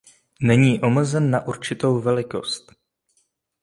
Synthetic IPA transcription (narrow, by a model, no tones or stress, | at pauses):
nɛɲiːʔo̞ml̩zɛnːaʔuɾt͡ʃɪt̪o̞wvɛlɪko̞̰st̪